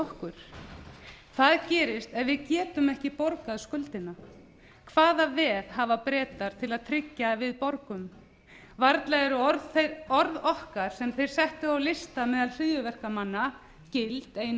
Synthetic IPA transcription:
ɔhkʏɾ̥ | θaðcɛːɾɪst̪ɛðvɪðcɛːt̪ʏmɛhcɪpoɾkaðskʏlt̪ɪna | kʰv̥aːðavɛːðɦavapɾɛːt̪aɾ̥t̪ʰɪlaðt̪ʰɾɪcːavɪðpɔɾkʏm | vaɾt̪laɣɛɾʏðɔɾðɔhkaɾ̥sɛmθejɾ̥sɛht̪ʏawlɪst̪amɛːðalr̥ɪðjʏvɛr̥kamanːa | cɪlt̪eːjn

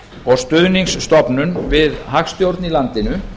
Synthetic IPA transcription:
ɔɣst̪ʏðniŋsːt̪ɔpnʏnvɪðɦaxst̪jowɾt̪nilant̪ɪnʏ

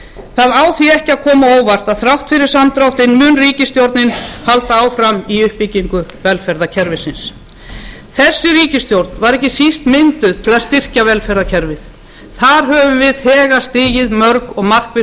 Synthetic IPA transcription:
θaðaːwθiɛhcɪaðkʰɔːmaoːwvar̥t̪aðθɾawht̪fɪɾɪɾ̥samt̪ɾawht̪ɪnmʏnriːcɪst̪jowɾt̪nɪnhalt̪aaːwfɾamiʏhpiciŋkʏvɛlfɛɾðacʰɛɾvɪsɪns | θɛsːɪɾiːcɪst̪jowɾt̪nvaɾɛhcɪsist̪mɪnt̪ʏt̪ʰɪlaðst̪ɪr̥cavɛlfɛɾðacʰɛɾvɪθ | θaɾ̥ɦœvʏvɪðhɛːɣast̪ɪːjɪðmœɾkɔɣmar̥kvɪ

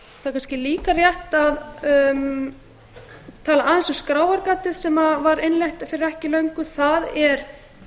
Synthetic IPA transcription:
θakʰanscɪliːkarjɛht̪að | t̪ʰaːlaaːðɪnsɔskɾaːwaɾkaːt̪ɪðsɛmavaɾenlejht̪afɪɾɪɾɛhcɪlœɥŋkʏθaðɛɾ̥

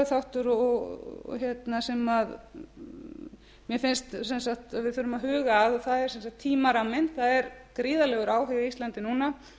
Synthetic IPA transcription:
θawht̪ʏɾɔɣ̰çjɛt̪nasɛmað | mjɛfɪnst̪sɛnsaxt̪aðvɪðθʏɾʏmaðɦʏːɣaːðθaðɛɾsɛnsaht̪ʰːiːmaɾamːɪnt̪θaðɛɾkɾiːðalɛɣʏɾaːwɦɛɣist̪lant̪ɪnuːna

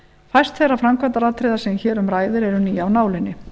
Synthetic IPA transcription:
fajst̪θɛjrːafɾamkʰvat̪aɾat̪ʰɾejðasɛmçɛːɾʏmɾaːjðɪɾɛɾʏniːawnaːwlɪnːɪ

